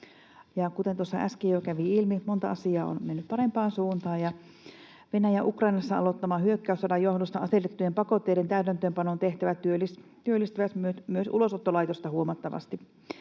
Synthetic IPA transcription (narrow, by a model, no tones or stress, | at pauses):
jɑkut̪ent̪uosːɑ̰ʔæskijokæʋiilmimont̪ɑ̰ʔɑsiɑːo̰nmenːyppɑɾempɑːnsuːnt̪ɑːjɑ | ʋenæjæʔukrɑinɑsːɑɑ̰lot̪ːɑmɑːhyøkːæysɑdɑjohdost̪ɑɑset̪et̪ːyjempɑkot̪ːeiɾent̪æyt̪ænt̪øːmpɑnont̪eht̪æʋæt̪yølist̪yølːist̪yʋæsyømyøsʔṵlosot̪ːolɑit̪ost̪ɑhuomɑt̪ːɑʋɑ̰st̪i